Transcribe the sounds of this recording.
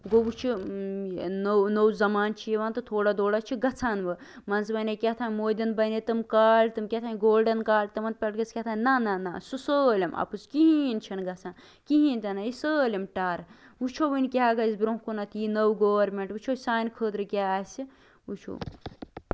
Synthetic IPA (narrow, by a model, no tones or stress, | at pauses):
ɡobut͡ʃʰi | nownowzɐmaːnt͡ʃʰijeʋaːnt̪ɨt̪ʰoːɽad̪oːɽat͡ʃʰiɡɐt͡sʰaːnbɨ | mɐnzbɐnekʲat̪ʰaːnmoːd̪ʲɐnbɐnet̪ɐmkaːlt̪ɨmkʲɐt̪ʰaːnɡoːlɖɐnkaːlt̪ɐmɐn̚pʲɐʈɡɐskʲɐt̪ʰaːnnananasusəːlʲɐmɐ̰pɨskiɦint͡ʃʰɐnɡɐt͡sʰaːn | kiɦint̪ɐnaisəːlʲɐmʈaːɾut͡ʃʰoʋɨnʲkʲeɦaːɡɐsbɾoɦkonɐt̪jinɐwɡoːʋɐɾmeɳʈut͡ʃʰosaːnkʰəːd̪ɾɨkʲaːsi | ut͡ʃʰo̰ː